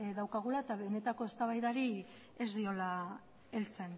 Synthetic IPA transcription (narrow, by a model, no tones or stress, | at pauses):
ðawkaɣ̞ulaet̪aβe̞ne̞t̪ako̞e̞st̪aβajðaɾi | ezd̪io̞la | e̞lt͡se̞n